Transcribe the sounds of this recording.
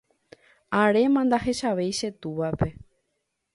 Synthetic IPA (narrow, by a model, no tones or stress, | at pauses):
aɾe̞mãnd̪aɦe̞ʃaʋe̞jʃe̞t̪uʋape̞